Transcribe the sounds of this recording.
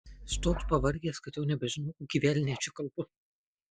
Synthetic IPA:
st̪oːt̪pɐʋɐɾʲɡʲeːskɐt̪ʲɛʊnʲɛbʲɛʒʲɪnɐʊkuɡʲiːʋʲæːlʲɪnʲɛːt͡ʃʲɪkɐlˠbʊ

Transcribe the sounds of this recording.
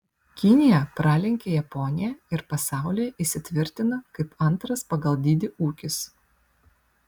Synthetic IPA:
kʲɪnʲɪjɛpɾɑːlʲɛŋʲkʲejɛpɔːnʲɪjɛɪɾpɐsɑˑʊlʲijɛʔɪsʲɪt̪ʲʋʲɪɾʲt̪ʲɪnɐkɐɪpɐnˑt̪ɾɐspɐɡɐlˠd̪ʲid̪ʲɪuːkʲɪs

